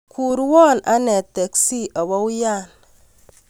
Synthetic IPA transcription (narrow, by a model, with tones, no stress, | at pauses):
kʰu˨ɾwɔ˦˨na˦ne˨te˨ksi˦ʔa˨wa˦wu˦ja˦˨n